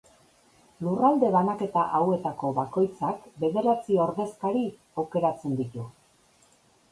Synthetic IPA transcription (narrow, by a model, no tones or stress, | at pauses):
lurald̪e̞βanake̞t̪aʔawe̞t̪ako̞βako̞jt͡sakbe̞ðe̞ɾat͡sioɾðe̞skaɾi | awke̞ɾat͡se̞nd̪it̪u